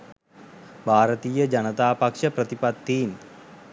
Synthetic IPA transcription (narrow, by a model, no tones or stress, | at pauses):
bʱaːɾət̪iːjəd͡ʒɐnət̪aːpɐkʂɐpɾɐt̪ipɐd̪ːiːn